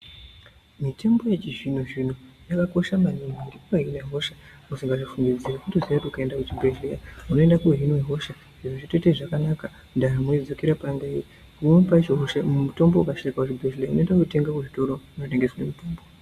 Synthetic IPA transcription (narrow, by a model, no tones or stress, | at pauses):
mite̞mbo̞jet͡ʃiʐin̤uʐin̤ujakako̞ʃamaɲimaɾikoɦinaɦo̞ʃa | musiŋɡaʐifuŋɡid͡zirakutuziatiukaendakut͡ʃibʱeʒlejauno̞e̞ndakuɦinweɦo̞ʃa | ʐiʐoʐite̞teʐakanaka | ndaramod͡zo̞keɾapanda | umompat͡ʃiɦoʃamumuto̞mboukaʃaikakut͡ʃibʱeʃleaunoendakute̞ŋɡakuʐito̞ɾo̞unote̞ŋɡeswanemutoːmbo